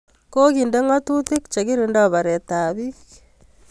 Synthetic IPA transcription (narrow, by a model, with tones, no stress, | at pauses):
ko˦ki˨nde˦ŋa˦tu˦tɪ˦k̚t͡ʃe˨ki˦ɾi˨ndɔ˦βa˨ɾe˨t̪a˨βi˦k